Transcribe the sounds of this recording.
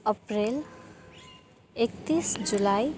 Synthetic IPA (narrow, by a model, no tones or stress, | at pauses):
ʌpɾel | ek̚t̪isd͡ʒulaj